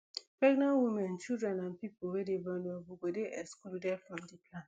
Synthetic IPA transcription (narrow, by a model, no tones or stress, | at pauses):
pɹɛɡnãnwimɛ̃nt͡ʃidɹɛ̃nãnpipowedebanuobuɡodeʔɛskuldɛfɹɔ̃mdipʰlã